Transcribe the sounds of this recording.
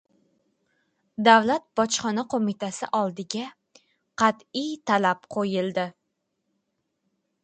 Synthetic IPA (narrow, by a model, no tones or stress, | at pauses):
d̪awlat̪̚bɒt͡ʃχɒnaqʰomɪt̪ʰasɪ̰ʔɒlˠd̪ɪɡʲa | qʰɑt̪ɪjt̪ʰalapqʰojɪlˠd̪ɪ